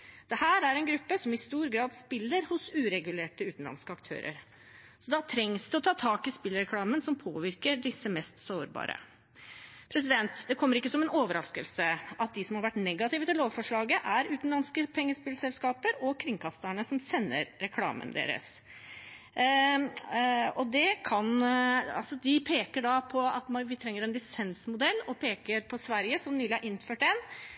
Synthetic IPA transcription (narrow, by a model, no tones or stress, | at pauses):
d̪̥ɛhæːɾæɾɛnɡɾʉpːəsɔmɪst̪uːɾɡɾɑːd̪spɪlːəɾhʊsʉːɾɛɡʉleːʈəʉːt̪n̩lɑ̰nskəɑkt̪ʰø̰ːɾə̰ɾ | sɔd̪ɑt̪ʰɾɛŋsd̪ɛɔt̪ʰɑːt̪ʰɑːkɪspɪlɾɛkʰlɑːmənsɔmpʰo̰ːʋɪɾkəɖɪsːəmɛst̪soːɾbɑ̰ːɾʔə̰ | pʰɾɛsɪd̪ɛnt̪d̪ɛkʰɔmːəɾɪkːəsɔmɛnoːʋəɾɑskəlsəɑt̪̚d̪ɪsɔmhɑɾʋæʈːnɛɡɑt̪ʰɪʋət̪ɪlːoːʋfɔʂɭɑːɡəʔæɾʉːt̪nlɑnskəpʰɛŋːəspɪlsɛlskɑːpəɾɔkʰɾɪŋkʰɑst̪əɳəsɔmsɛnːə̰ɾɾɛkʰlɑ̰ːmə̰nd̪ḛːɾə̰s | ɔd̪ɛkʰɑnɑ̰lsɔd̪ɪpʰeːkəɖɑpʰɔɑt̪mʋɪt̪ʰɾɛŋːəɾɛnlɪsɛnsmʊd̪ɛlːɔpʰeːkəɾpʰɔsʋæɾjəsɔmnyːlɪɑɾʔɪnːføːʈɛn